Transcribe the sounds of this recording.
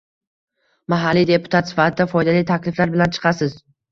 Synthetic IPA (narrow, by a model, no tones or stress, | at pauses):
maɦalːijd̪e̞pʊ̥t̪ʰat̪sɪ̥fat̪ʰɪd̪afɒjd̪alijt̪ʰakʲlɪflaɾbɪlant͡ʃʰɨ̥qʰɑsɪz